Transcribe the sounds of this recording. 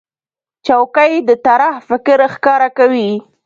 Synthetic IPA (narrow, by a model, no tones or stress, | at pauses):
t͡ʃawkajd̪ət̪aɾahfɪkɾxkɑɾakawi